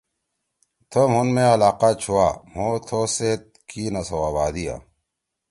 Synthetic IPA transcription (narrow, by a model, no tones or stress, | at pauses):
t̪ʰɐmɦunmẽɐlaːqaːt͡ɕʰuwaːɦõt̪ʰoseːt̪̚ | kiːnɐsɐwaːbaːd̪ija̰ː